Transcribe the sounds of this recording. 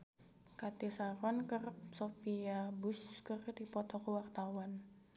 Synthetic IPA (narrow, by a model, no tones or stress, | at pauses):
kat̪isaɾɔnkərpsofiabuskərdipɔt̪ɔkuwakt̪awan